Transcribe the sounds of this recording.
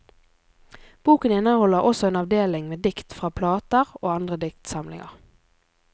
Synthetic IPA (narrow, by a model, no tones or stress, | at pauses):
b̥uːkənɪnəhɔləʁɔsɔeːnɑʋd̪eːlɪŋmeːd̪ɪkt̪fʁɑːpʰlɑːt̪əʁoːɑnd̪ʁəd̪ɪkt̪sɑmlɪ̰ŋə̰ʁ